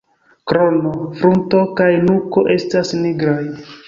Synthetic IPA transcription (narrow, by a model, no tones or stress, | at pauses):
kɾonofɾunto̞kajnukoʔe̞stasniɡɾaj